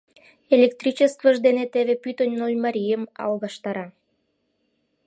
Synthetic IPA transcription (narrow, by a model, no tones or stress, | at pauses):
elʲek̚t̪rʲit͡ɕest̪vəʒd̪enet̪eβepyt̪ənʲnolʲmɑɾʲijəmɑ̰lɣɑʃt̪ɑɾɑ